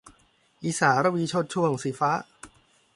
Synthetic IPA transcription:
ʔiː˧˩saː˩˦ɾa˧˥wiː˧t͡ɕʰo˥˩t̪̚t͡ɕʰu˥˩əŋsi˨˩˦faː˦˥ʔ

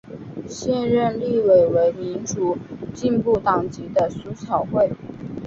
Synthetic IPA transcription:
ɕjɛ˥˧nɻə˥˧nli˥˧we˨˩ɪwe˧˥ɪmi˧˥nʈ͡ʂu˨˩t͡ɕi˥˧npu˥˩t̪ɑ˨˩ŋt͡ɕi˧˥d̪ə˧su˧˥t͡ɕʰjɑ˨˩ʊxwe˥˩ɪ

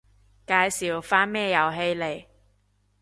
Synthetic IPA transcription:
kaː˧jsiː˨˩wfaː˥nmɛː˥jɐ˨˩wɦe˧jle˨˩j

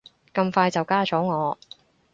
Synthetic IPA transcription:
kɐ˧mfaː˧jt͡sɐ˨wkaː˥t͡ʃɔː˨˥ŋɔː˨˧

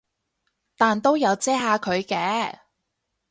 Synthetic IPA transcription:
t̪aː˨nt̪o˥wjɐ˨˧wt͡sɛː˥ɦaː˨˧kʰɵ˨˧ɥkɛː˨˥

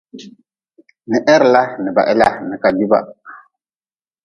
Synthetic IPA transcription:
nɛ˨ʔɛ˦ɾla˦nə˨ba̰˨ʔɛ˦la˦nə˨ka˨du˦ba̰˨

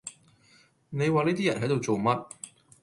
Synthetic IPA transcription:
ne˨˧jwaː˨niː˥t̪iː˥jɐ˨˩nɦɐ˨˥jt̪o˨˧wt͡so˨wmɐ˥t̚

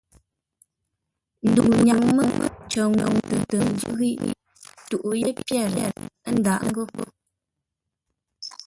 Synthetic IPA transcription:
n̩˨du˨ɲa˨ŋmə˦mə̰˦t͡ʃo˨ŋɔ̰˨ŋtə˨tə˨ŋ˦ɡə˦ɣḭ˦˨ʔ | tu˨ʔu˨je˦pjɛ˦˨lɛ̰˨tn̩˦da˨ʔŋ̩˦ɡo˦p

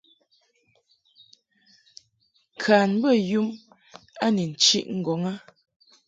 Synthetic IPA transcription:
kʰa˨n˦bə˦ju˦m | a˦ni˨n̩˨t͡ʃḭ˦ʔŋ̩˨ɡɔ˨˦ŋa˦

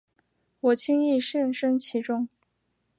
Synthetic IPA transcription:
wɔ˨˩t͡ɕʰi˥ŋi˥˧ʂə˥˩nʂə˥nt͡ɕʰi˧˥ʈ͡ʂʊ˥˩ŋ

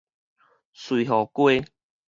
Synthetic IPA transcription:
swi˨ɦɔ˨˩kwe˦

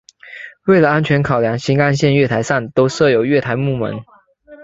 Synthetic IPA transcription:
we˥˩ɪlə˩a˦nt͡ɕʰɥɛ˧˥˦nkʰɑ˨˩ʊljɑ˧˥ŋɕi˧˥ŋa˥˧nɕjɛ˥˧nɥɛ˥˩t̪ʰa˧˥ɪsa˥˩nt̪o˥ʊsɤ˥˨jo˨˩ʊɥɛ˥˩t̪ʰa˧˥ɪmu˥˩mə̰˧˦n

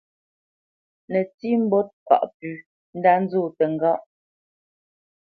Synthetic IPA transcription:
nɛ˨ti˦m̩˦bɔ˦t̚pa̰˨ʔpʉ˨ | n̩˦da˦n̩˦zoː˦˨tɛ˨ŋ̩˨ɡa˦ʔ

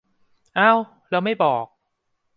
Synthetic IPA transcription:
ʔa˧˥˩w | ɾɛː˦˧wma˥˩jbɔː˨˩k̚

